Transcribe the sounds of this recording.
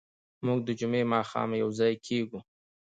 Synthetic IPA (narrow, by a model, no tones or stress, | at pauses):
muɡ̚d̪əd͡ʒʊmemɑxɑ̰mjawzɑjkʰeɡu